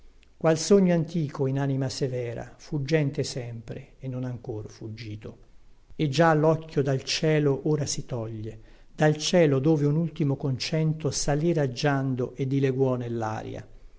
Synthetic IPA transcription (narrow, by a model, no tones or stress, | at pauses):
kwalsoɲːoant̪iːkoinanimasevɛːɾa̰fud͡ʒːɛnt̪esɛmpɾeenːonaŋkorfud͡ʒːiːt̪o | ed͡ʒalːɔkʲːjod̪alt͡ʃɛːloʔoːɾasit̪ɔʎːe | d̪alt͡ʃɛːlod̪oːveunult̪imokont͡ʃɛnt̪osaliɾad͡ʒːand̪oʔed̪ːileɡwɔnelːa̰ːɾj̰a̰